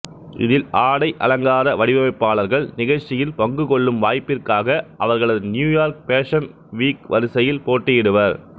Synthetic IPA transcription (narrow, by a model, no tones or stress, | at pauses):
ʔɪ̰ðɪlaːɽɐɪʔɐ̰lɐŋɡaːɾɐʋɐɽɪʋɐmɐɪpːaːɭɐɾɣɐɭnɪɣɐɻt͡ʃːɪjɪlpɐŋɡɯkɔɭːɯmʋaːjpːɪrkaːɣɐʔɐʋɐɾɣɐɭɐðɯnjuːjaːɾk̚peːʂɐn | ʋiːkʋɐɾɯsɐjɪlpoːʈːɪjɪɽɯʋɐɾ